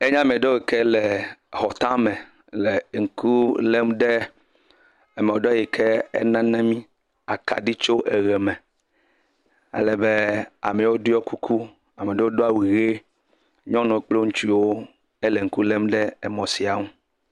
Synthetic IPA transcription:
e˦ɲã˦mɛ̃˨ɖo˦we˨kɛ˦lɛ˨hɔ˨t̪ã˦mẽ˨ | le˨ŋ̩˨kʰu˦le˦mɖɛ˦ | ɛ˦mɛ̃˨wo˨ɖɔ˦ji˨kʰe˦ɛ̰˦nã˦nɛ̃˦mĩ˦ | a˨ka̰˨ɖi˦t͡ʃo˦ʔe˨ɣɛ˨mɛ̃˨ | ḛ˦lɛ˨be˦a̰˨mɛ˨wo˦dɔ˦ku˦kʰu˦ | a˨mẽ˨ɖe˦wo˦do˦a˦wi˨ɣe˦ | ɲɔ̃˦nɔ̃˨k͡plo˦ŋũ˦t͡ʃi˦wo˦ | e˦lɛ˨ŋ̩˨˦ku˦le˦mɖɛ˦ɛ˦mɔ̃˨si˨a˨ŋũ˦

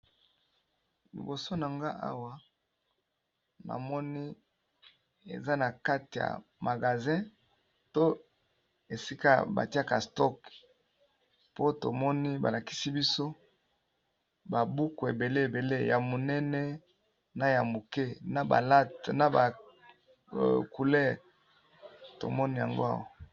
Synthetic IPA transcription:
lḭ˨bo˨so˦na˨ŋɡa˦ʔa̰˦wa˦ | na̰˨mɔ˦ni˦ | ḛ˨za˦na˨ka˦ti˨ja̰˨ma˨ɡa˨zɛ̃˦ | to˦ | e˨si˦ka˦ba̰˨ti˦a˦ka˨stɔ˦˨k | po˦to̰˨mɔ˦ni˦ba̰˨la˨ki̥˦si˦bi˦so˦ | ba˨bu˦ku˨ḛ˨be˨le˦e˨be˨le˦ja˨mo˨nɛ˦nɛ˦ | na˨ja˨mo˨ke˦na˨ba̰˨la˦tna˨ba˨ | ku˨lɛ˦˨ʁ | to̰˨mɔ˦ni˦ja̰˨ŋɡo̰˦a̰˦˨wa˦

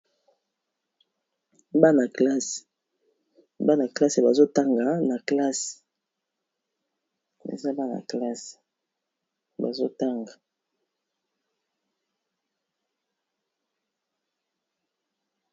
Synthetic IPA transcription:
ba˦na˨kla˦se̥˨ | ba˦na˨kla˦se˨ba˨zo˦ta˦ŋɡa˨na˨kla˦s | ḛ˨za˦ba˦na̰˨kla˦s | ba̰˨zo˦ta˦ŋɡa˨

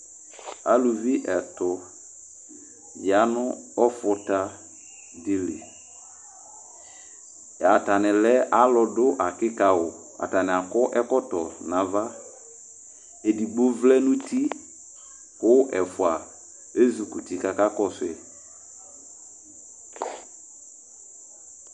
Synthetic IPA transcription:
a˨lu˨vi˦ʔɛ˨tʊ˨ | d͡ʒa˨˦nʊ˦ɔ˦fʊ˨ta˦ | dɪ˦lḛ˨ | a˨ta˨nɪ˨lɛ˦ʔa˦lɔ˨dʊ˦ʔa˨kɪ˦ka˨wʊ˨ | a̰˨ta˨nɪ̃˨a˨kɔ˦ʔɛ˦kɔ˦tɔ˨nã˨va˦ | e˨di˨ɡ͡bo˦vlɛ˦nʊ̃˦ti˦ | kʊ˦ʔɛ˨fʊ˨a˨ | e˦zu˨ku˨ti˨ka˦ka˦kɔ˦sɛ˦

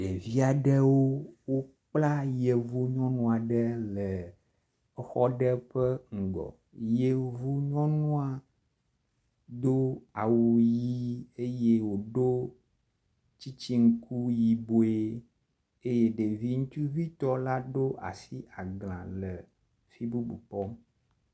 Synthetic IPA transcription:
ɖe˨vi˦a˨ɖɛ˦wo˦wo˦ | k͡pla˦je˨vu˦ɲɔ̃˦nũ˦a˨ɖɛ˦lɛ˨˦ | xɔ˦ɖɛ˦ɸə˦ŋ̩˨ɡɔ̰˨ | je˦vu˦ɲɔ̃˦nũ˦a˨ | ɖo˦a˨wu˨ji˦e˦je˦wo˨ɖo˦ | t͡ɕi˦t͡ɕi˦ŋ̩˦ku˦ji˨bo˨˦e˦ | e˦je˦ɖe˨vi˦ŋũ˦t͡ʃu˦vi˦t̪ɔ˦la˦ɖo˦ʔa̰˨si˦a˨ɡl̃ã̰˨lə˨ | fi˦bu˦bṵ˨k͡pɔ˦m

